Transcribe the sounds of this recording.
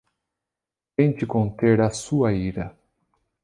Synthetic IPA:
t̪ẽj̃t͡ʃɪkõnt̪eɾɐsuɐiɾɐ

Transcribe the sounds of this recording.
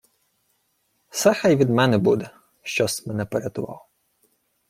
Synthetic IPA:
sɛxajʋʲid̪mɛnɛbud̪ɛ | ʃt͡ʃɔsʲmɛnɛpeɾʲɐt̪ʊʋɑ̰w

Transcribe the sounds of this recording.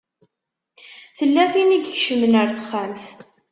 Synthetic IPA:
θəlːæθiniɡçʃəmənəɾθəχːamt̪

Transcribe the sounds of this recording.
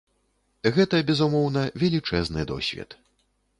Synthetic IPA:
ɣɛt̪ɐbʲɛzumɔwnɐvʲɛlʲit͡ʂɛznɨ̰d̪ɔ̰sʲvʲɛ̰t̪

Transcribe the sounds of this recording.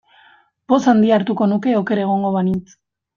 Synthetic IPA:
posand̪iaɾt̪uko̞nuke̞oke̞ɾaeɣ̞o̞ŋɡo̞βanit͡s

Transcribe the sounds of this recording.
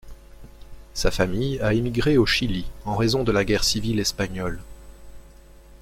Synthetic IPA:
safamijaemiɡʁeoʃiliɑ̃ʁezɔ̃d̪əlaɡʲɛʁsivilɛspaɲɔl

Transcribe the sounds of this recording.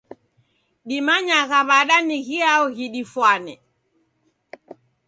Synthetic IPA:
ɗimaɲaɣaβaɗaniɣiaɔɣiɗifwanɛ

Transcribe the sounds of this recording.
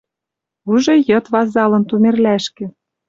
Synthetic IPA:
uʒɤ̆jɤ̆t̪βɑzɑlɤ̆nt̪umerlæʃkĕ

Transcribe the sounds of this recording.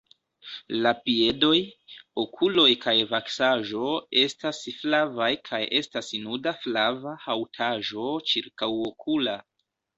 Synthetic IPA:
lapie̞do̞jokʰulo̞jkajvaksaʒo̞e̞stasflavajkʰajʔe̞stasinudaflavahawtʰaʒo̞t͡ʃiɾkawokʰula

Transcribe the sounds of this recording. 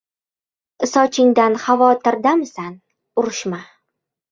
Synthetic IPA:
ɪsɒt͡ʃʰɪŋd̪anχavɒt̪ʰɪɾd̪amsan | ʊɾɪʃma

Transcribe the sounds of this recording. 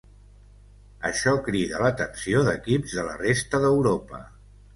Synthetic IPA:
əʃɔkɾiðələt̪əksioðəkipzðələrest̪əðəwɾopə̰

